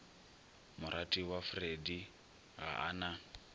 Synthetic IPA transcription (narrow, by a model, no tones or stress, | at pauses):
mʊɾʔatʼiwafredi | ɣa̰ʔa̰na